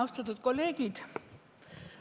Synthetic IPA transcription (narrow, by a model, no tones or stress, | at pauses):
ɑwst̪ɑt̪ːˑut̪ko̞lːe̞ːɡ̥id̪̥